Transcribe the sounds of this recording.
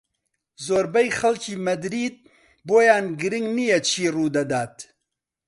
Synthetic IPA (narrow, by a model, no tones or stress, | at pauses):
zoːɾbɛjxɐlcʰiːmɐd̪ɾiːd̪̚ | boːjaːnɡɨɾɪŋɡnijɛt͡ʃʰiːruːd̪ɐd̪aːt̪